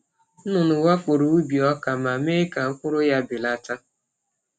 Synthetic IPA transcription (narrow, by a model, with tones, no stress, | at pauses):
nʊ˨nʊ˨wa˦kʷʊ˨ɾu˨u˦bi˨ɔ˦ka˨ma˨me˦ka˨ŋ̩˦kʷʊ˦ɾʊ˦ja˦bɪ˨la˦ta˦